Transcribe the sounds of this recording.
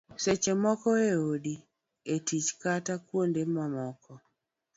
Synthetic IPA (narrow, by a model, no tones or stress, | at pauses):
set͡ʃemɔkɔeodi | etit͡ʃkatakwondemamɔkɔ